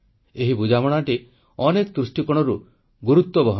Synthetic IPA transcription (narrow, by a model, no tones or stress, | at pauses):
eɦibud͡ʒamɔɽ̃aʈi | ɔnekɔd̪ɾusʈikɔɽ̃ɔɾu | ɡuɾut̪wɔbɔɦ